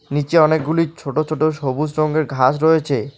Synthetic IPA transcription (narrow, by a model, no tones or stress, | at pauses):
nit͡ɕeɔnek̚ɡulit͡ɕʰoʈot͡ɕʰoʈoʃobus̬ɾoŋɡeɾɡʱat͡ɕɾoet͡ɕʰe